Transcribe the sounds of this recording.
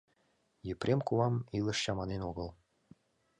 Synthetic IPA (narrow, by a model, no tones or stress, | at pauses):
jɘ̆prʲʔemkuɑmilˠɤ̆ʃɕɑmɑnenoɡɤ̆lˠ